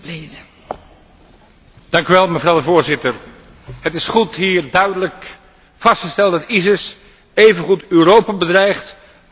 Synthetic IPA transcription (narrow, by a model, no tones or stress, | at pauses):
d̥ɑŋkyʋɛlˠməvrɑwdəvʊːɹzɪtəɹ | ɦətɪsχutɦiːɹdœɥdələk | fɑstχəstɛlˠdɑtizɪs | ejvənχutøːrowpabədrɛjχt